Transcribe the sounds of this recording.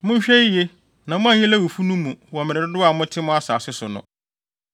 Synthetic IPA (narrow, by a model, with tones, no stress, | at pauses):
mʊ̃˦ɲ˦ɕᶣɛ˦je˦ | nã˨mʊ̃˦ã˦˨i˦læ˦wu˨fu˦nũ˦mũ˨wɔ˨mɪ̃˨ɾɪ˨dʊ˦dʊ˦a˨mʊ̃˦tʰɪ˦mʊ̃˦a˦saː˨sʊ˦sʊ˨nʊ̰̃˨